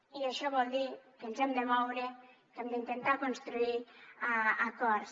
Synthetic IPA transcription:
iaʃɔβɔld̪ikenzɛmd̪emɔwɾe | kemd̪eint̪ent̪akonst̪ɾuiaakɔɾs

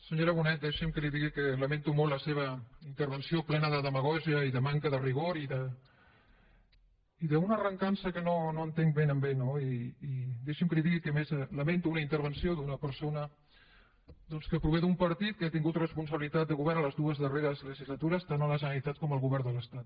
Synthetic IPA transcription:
səɲoɾəβ̞unɛt̪̚d̪ɛʃəmkəliðiɣikələment̪umollːəseβ̞əint̪əɾβənsioplɛnəðəðəməɣ̞ɔʒiəiðəmaŋkəðəriɣ̞oɾiðə | iðəunəːrəŋkansəkənonoənt̪eŋbenəmbenoiː | d̪eʃəmkəliðiɣikəmezələment̪uunəint̪əɾβənsioðunəpəɾsonə | d̪ɔnskəpɾuβeðumpəɾt̪it̪̚kəat̪iŋɡut̪rəspuns̬əβilit̪at̪̚d̪əɣuβɛɾələzðuəzðəreɾəzləʒizlət̪uɾəst̪anələʒənəɾit̪at̪̚kɔməlˠɣuβɛɾnd̪ələst̪at̪̚

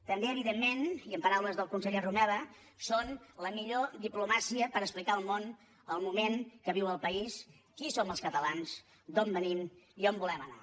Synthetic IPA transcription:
t̪əmbeəβiðemːeniəmpəɾawləzðəlˠkunsəʎerumɛβə | sonləmiʎod̪iplumasiəpəɾəksplikaəlˠmon | əlˠmumeŋkəβiwəlˠpəis | kisoməlˠskət̪əlans | d̪ombəniniombulɛməna̰

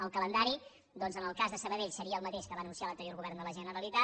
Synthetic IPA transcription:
əlˠkələnd̪aɾi | d̪ɔnzənəlˠkazðəsəβəðeʎsəɾiəːlˠmət̪eʃkəβanunsijalˠənt̪əɾjoɾɣuβɛrnd̪ələʒənəɾəlit̪a

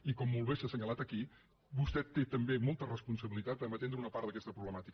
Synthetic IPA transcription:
ikɔmːulˠβeʃəsəɲəlat̪əki | bust̪ɛt̪ːet̪əmbemɔlˠt̪ərəspunsəβilit̪at̪̚əmət̪end̪ɾəunəpaɾt̪ðəkɛst̪əpɾuβləmat̪ik

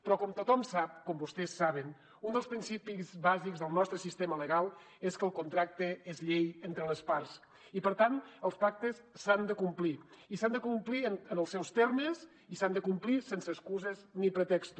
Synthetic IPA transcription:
pɾɔkɔmt̪ut̪ɔmsap̚kɔmbust̪ɛsːaβ̞ən | und̪əlˠspɾinsipizβazikzðəlˠnɔst̪ɾəsist̪emələɣalˠ | eskəlˠkunt̪ɾak̚t̪əezʎejent̪ɾələspaɾs | ipəɾt̪anəlˠspak̚t̪əsːand̪əkumpliisand̪əkumpliənənəlˠsɛwst̪ɛɾməz | isand̪əkumplisensəːskuzəznipɾət̪ɛkst̪u

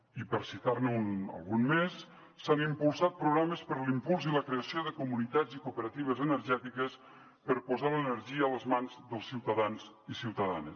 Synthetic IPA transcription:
ipəɾsit̪aɾnunə̰lˠɣunmesː | animpulˠsat̪̚pɾuɣɾaməspəɾlimpulˠziləkɾeəsioðəkumunit̪ad͡zikupəɾat̪iβ̞əzənəɾʒɛt̪ikəs | pəɾpuzalənəɾʒiəːləzmanzðəlˠsːiwt̪əðanzisiwt̪əða̰nəs

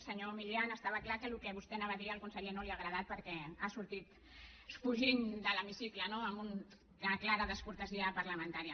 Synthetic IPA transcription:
səɲomiʎianəst̪aβəklakəlukɛβust̪ɛnaβaðiəlˠkunsəʎenoliaɣɾəðat̪̚pəɾkɛasuɾt̪it̪ | sfuʒiɲd̪ələmisiklənoəmbun | əklaɾəðəskuɾt̪əziəpəɾləmə̃nt̪aɾiə

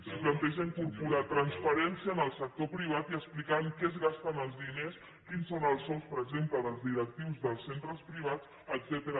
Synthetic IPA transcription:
siplənt̪ɛʒəiŋkuɾpuɾat̪ɾənspəɾɛnsiəːnəlˠsək̚t̪opɾiβ̞at̪iəsplikaŋkɛəzɣast̪ənəlˠzðines | kinsonəlˠsɔwˠspəɾəɡzempləðəlˠzðiɾək̚t̪iwzðəlˠsent̪ɾəspɾiβ̞at͡s | əɡzɛt̪eɾə

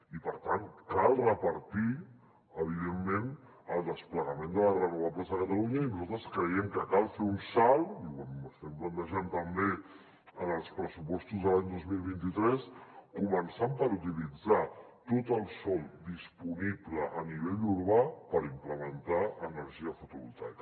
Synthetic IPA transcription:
ipəɾt̪ankalˠrəpəɾt̪i | əβ̞ið̞emːen | əlˠd̪əspləɣəmend̪ələrənuβapləzðəkət̪əluɲəinuzalt̪ɾəskɾəjɛmkəkalˠfeunsalˠiaməst̪ɛmplənt̪əʒant̪əmbe | ənəlˠspɾəsupɔst̪uzðəlaɲd̪ozmilˠβint̪it̪ɾɛskumənsampəɾut̪̬ilid͡za | t̪ot̪əlˠsɔlˠd̪ispunipləʔəniβ̞eʎuɾβapəɾimpləmənt̪aənəɾʒiəfut̪uβulˠt̪a̰jk

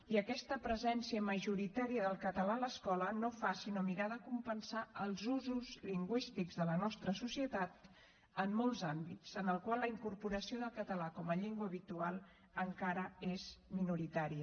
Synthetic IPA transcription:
iəkɛst̪əpɾəzɛnsiəməʒuɾit̪aɾiəðəlˠkət̪əlaləskɔlənofasinomiɾaðəkumpənsaəlˠzuzuzliŋɡwist̪iɡzðələnɔst̪ɾəsusiət̪at̪ | əmːolˠzambitsənəlˠkwalːəiŋkuɾpuɾəsioðəlˠkət̪əlakɔməʎeŋɡwəːβit̪ualˠ | əŋkaɾəezminuɾit̪aɾiə

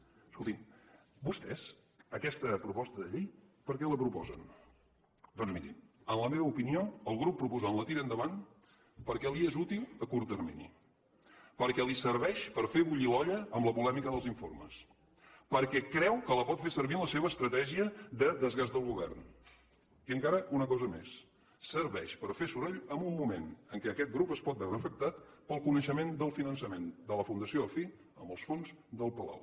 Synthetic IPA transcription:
skulˠt̪im | bust̪ɛz̥ | əkɛst̪əpɾupɔst̪əðəʎejpəɾkɛləpɾupɔ̰zə̰n | d̪ɔnzmiɾḭ | ənləmeβəupinioəlˠɣɾupːɾupuzanlət̪iɾənd̪əβan | pəɾkɛliezut̪ilˠəkuɾt̪ərmḭnḭ | pəɾkɛlisəɾβɛʃpəɾfeβuʎilɔʎəəmbləpulɛmikəðəlˠziɱfo̰ɾmə̰s | pəɾkɛkɾɛwkələpɔt̪fesəɾβinləseβ̞əːst̪ɾət̪ɛʒiəðəðəzɣazðəlˠɣuβɛ̰rn | iəŋkaɾəʔunəkɔzəmḛsː | əɾβɛʃpəɾfesuɾeʎəmumːumenəŋkɛəkɛt̪̚ɡɾupəspɔt̪̚bɛwɾəːfək̚t̪at̪pəlˠkunəʃəmend̪əlˠfinənsəmend̪ələfund̪əsioəfi | əmbəlˠsfonzd̪əlˠpəla̰w

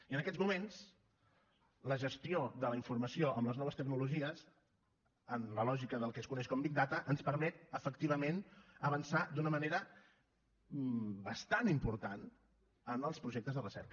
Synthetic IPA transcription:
iənəkɛd͡zmumens | ləʒəst̪ioðələiɱfuɾməsioʔəmləznɔβəst̪əɡnuluʒiəs | ənləlɔʒikəðəlˠkɛskunɛʃkɔmbik̚d̪at̪əʔənspəɾmɛt̪əfəkt̪iβ̞əmenəβənsad̪unəməneɾə | bəst̪animpuɾt̪an | ənəlˠspɾuʒeɛk̚t̪əzðərəsɛ̰ɾkə

